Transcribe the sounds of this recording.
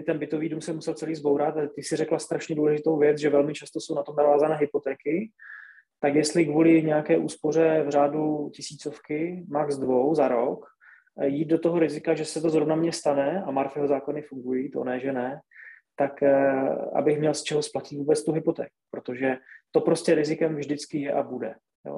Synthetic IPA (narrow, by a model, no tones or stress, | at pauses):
ɪt̪ɛnbɪt̪o̞viːdumsɛmːusɛlt͡sɛliːzbowɾat̪at̪ɪsɪɾɛklast̪ɾaʃɲɛduːlɛʒɪt̪o̞wvjɛt͡sʒɛvɛlmɪt͡ʃast̪o̞sownat̪o̞mnavaːzanɛːɦɪpot̪ɛːkɪ | t̪akjɛst̪lɪɡvulɪɲɛjakɛːʔuːspo̞r̝ɛvr̝aːducɪsiːt͡so̞fkɪmakzdvo̞wzaɾok | jiːd̪̚do̞t̪o̞ɦoɾɪzɪkaʒɛsɛt̪o̞zɾo̞vnamɲɛst̪anɛamaɾfjɛɦozaːko̞nɪfuŋɡujit̪o̰nɛʒɛnɛ | t̪ak | a̰bɪxmɲɛlst͡ʃɛɦosplacɪt̪vuːbɛt͡st̪uɦɪpo̞t̪ɛ̰ːku̥pɾo̞t̪o̞ʒɛt̪o̞pɾo̞scɛɾɪzɪkɛmvʒdɪt͡skɪjɛʔabudɛ | jo̰ː